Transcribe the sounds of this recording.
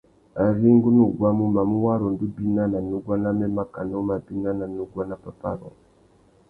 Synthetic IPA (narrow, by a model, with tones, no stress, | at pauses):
a˨ɾi˦ŋɡu˦nu˦˨ɡwa˦mu˦ma˨mu˦wa˦ɾɔ˨ndu˦bi˦na˦na˨nu˦ɡwa˦na˦me˦ma˦ka˨no˦ma˨bi˦na˦na˨nu˦ɡwa˦na˦pa˦pa˦˨ɾɔ̰˨